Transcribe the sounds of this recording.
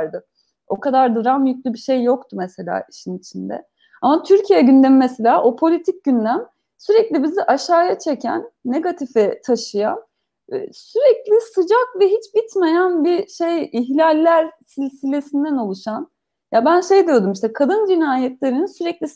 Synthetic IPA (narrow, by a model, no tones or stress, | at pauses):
ɾd̪ɯ | o̞kad̪aɾd̪ɯɾamjyc̚lʲybiʃe̞jːo̞kt̪ʰumese̞lʲa̰ːiʃinit͡ʃʰind̪ɛ̰ | amat̪ʰyɾcʰijɛɟynd̪emimɛselʲaːʔo̞pʰo̞lʲit̪ʰic̚ɟynlʲæm | syɾɛclʲibiziʔaʃaːjat͡ʃʰecʰæ̰nːeɡat̪ʰifɛt̪ʰaʃɯja̰n | ɛ̰syɾɛclʲɪsɯd͡ʒakvɛɦit͡ʃbit̪me̞jænbiʃe̞jiçlʲalʲːæɾsilʲsilʲe̞sind̪æno̞lˠuʃan | jabænʃe̞jd̪ijo̞d̪umiʃt̪ɛkʰad̪ɯnd͡ʒinaːjɛt̪lʲeɾininsyɾɛclʲi